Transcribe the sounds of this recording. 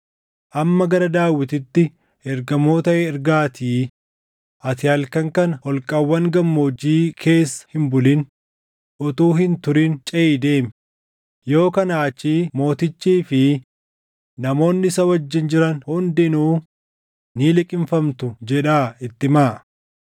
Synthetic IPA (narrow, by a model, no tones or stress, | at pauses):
ʔɐmːɐɡɐɾɐd̪aːwːɪt̪ɪt̪ːɪ | ɛɾɡɐmo̞ːt̪ɐʔɛɛɾɡaːt̪ʰiː | ʔɐt̪ɪhɐlkɐŋkɐnhɔlkʼɐwːɐŋɡɐmːoːd͡ʒiːkʰe̞ːsːɐ̥hɪmbʊlɪn | ʔɔt̪uːhɪnt̪ʊɾɪnt͡ʃʼɛʔiːd̪e̞ːm | jo̞ːkɐnaːt͡ʃːiːmo̞ːt̪ɪt͡ʃːiːfɪ | nɐmo̞ːnːɪɪsɐwɐd͡ʒːɪnd͡ʒɪɾɐnhʊnd̪ɪnuː | niːlɪkʼɪɱfɐmt̪ʊd͡ʒɛᶑaːɪt̪ːɪmaː